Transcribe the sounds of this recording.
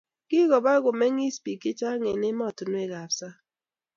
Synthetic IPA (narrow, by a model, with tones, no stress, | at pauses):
kɪ˦ɣɔ˨ba˦ɣʊ˨mɛ˦ŋi˦spi˨kɪ˦t͡ʃa˦ŋe˨nɪ˦mɔ˦˨tʊ˨nwe˦˨ɣa˨psa˦